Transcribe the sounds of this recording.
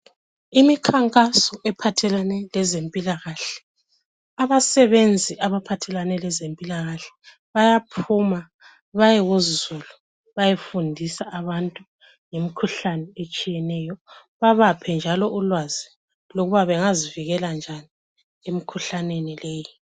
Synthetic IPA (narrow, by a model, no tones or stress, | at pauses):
imikʰaŋkʼasɔʔɛpʰatʰɛlanɛlɛzempʼilaɣaɬɛ̥ | aβasɛβend͡zʱiʔaβapʰatʰɛlanɛlɛzempʼilaɣaɬɛ̥ | βajapʰuma | βajɛɣozzulu | βajefundʱisaaβantʼu | ŋemikʰuɬanɛet͡ʃʼijɛnɛjɔ | βaβapʰɛnd͡ʒʱalɔʔulwazi | loɣuβaβɛŋaziviɣɛland͡ʒʱani | emikʰuɬanenilɛːji